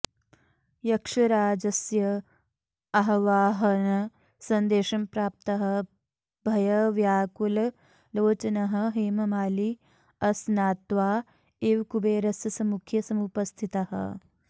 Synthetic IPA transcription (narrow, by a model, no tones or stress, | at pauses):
jɐkʂɐɾaːd͡ʒɐsjɐ | ɐɦɐʋaːɦɐnɐ | sɐnd̪eːʃɐmpɾaːp̚t̪ɐɦɐ̆ | bʱɐjɐʋjaːkul | loːt͡ʃɐnɐɦɐ̆ɦeːmɐmaːli | ɐsnaːt̪ʋaː | eːʋkubeːɾɐsjɐsɐmukʰjɐsɐmupɐst̪ʰit̪ɐɦɐ̰